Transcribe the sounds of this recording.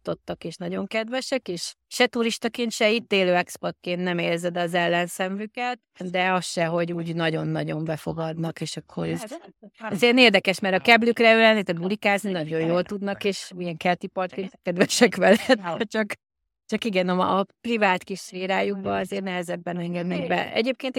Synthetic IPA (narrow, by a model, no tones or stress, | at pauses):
t̪o̞t̪ːɒkeːʃnɒɟo̞ŋkɛd̪ʋɛʃɛkeːʃ | ʃɛt̪uɾiʃt̪ɒkeːnt̪ʃɛit̪ːeːløːɛkspot̪̚keːnnɛmeːrzɛd̪ɒzɛlːɛnsɛɱvykɛt̪ | d̪ɛɒsʃɛɦo̞ɟuːɟnɒɟo̞nːɒɟo̞mbɛfo̞̰ɡɒd̪nɒkeːʃɒkʰːo | zeneːrd̪ɛkɛʃmɛɾɒkɛblykrɛøːlɛnːit̪ɛd̪bulikaːzninɒɟo̞jjoːlt̪ud̪nɒkeːʃmiɛŋkɛlt̪ipɒrt̪kent̪ɛkɛd̪vɛʃɛkʋɛlɛt̪ɛt͡ʃɒk | t͡ʃɒkiɡɛnɒmːprivaːt̪kiʃfeːɾaːjuɡ̚bɒɒzeːrnɛɦɛzɛbːɛnɛŋɡɛd̪nɛɡbɛ̰ɛ̰ɟeːp̚keːnt̪